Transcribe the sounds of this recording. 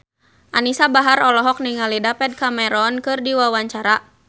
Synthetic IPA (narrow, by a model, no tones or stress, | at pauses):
ʔanisabaɦaɾɔlɔɦɔk̚niŋalidapɛd̚kamɛɾɔnkɨrdiwawaɲt͡ʃaɾa